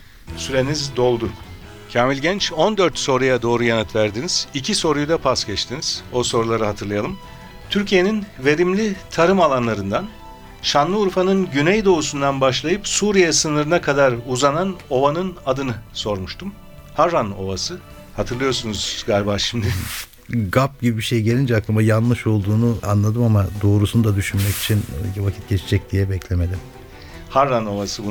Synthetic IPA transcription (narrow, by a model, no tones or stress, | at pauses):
syɾe̞nizd̪o̞lˠd̪ʊ | cʰaːmilʲɟɛnt͡ʃo̞nd̪øɾt̪so̞ɾujad̪o̞ːɾujanat̪væɾd̪iniz̥icʰiso̞ɾujud̪apʰasɟɛt͡ʃt̪ʰiniz̥o̞so̞ɾulˠaɾɯɦat̪ʰɯɾlˠajalˠɯm | t̪ʰyɾcʰije̞ninve̞ɾimlʲit̪ʰaɾɯmalˠanlˠaɾɯnd̪an | ʃanlˠɯuɾfanɯnɟynɛjd̪o̞usund̪anbaʃlˠajɯpsuːɾijɛsɯnɯɾɯnakʰad̪aɾuzanano̞vanɯnad̪ɯnɯso̞ɾmuʃt̪ʰum | haɾːano̞vasɯ | hat̪ʰɯɾlˠɯjo̞ɾsunuzɡaɾbaːʃimd̪ɪ | ɡap̚ɟibibiʃejɟe̞lʲind͡ʒɛakambajanlːˠɯʃo̞lˠd̪uːnuanlˠad̪ɯmamad̪o̞ːɾusunud̪ad̪yʃynmɛci̥t͡ʃʰinvacʰit̪̚ɟet͡ʃʰiɛd͡ʒɛc̚d̪ijɛbɛclʲeme̞lʲim | haɾːano̞vasɯbu